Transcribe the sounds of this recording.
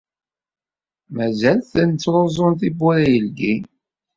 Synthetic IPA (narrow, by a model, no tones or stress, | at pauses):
mæzælθənt͡sːɾˤozˤonθibʊɾæjəlɡi